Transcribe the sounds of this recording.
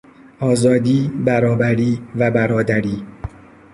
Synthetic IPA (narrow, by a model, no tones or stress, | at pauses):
ʔɒːzɒːd̪iːbæɾɒːbæɾiːvæbæɾɒːd̪æɾiː